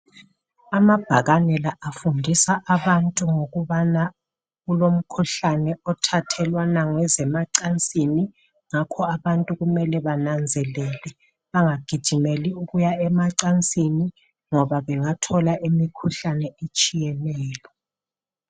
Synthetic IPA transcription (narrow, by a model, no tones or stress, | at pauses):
amab̥ʱaɣanɛlaʔafundʱisaʔaβantʼuŋoɣuβana | ɣulom̩kʰuɬanɛɔtʰatʰɛlwanaŋwɛzɛmaǀant͡sʼini | ŋakʰɔaβantʼuɣumɛlɛβanand͡zʱɛlɛːlɛ | βaŋaɡ̥ʱid̥ʒ̥ʱimɛliuɣujaɛmaǀant͡sʼini | ŋɔβaβɛŋatʰɔlaʔemikʰuɬanɛʔet͡ʃʼijɛlɛːlɔ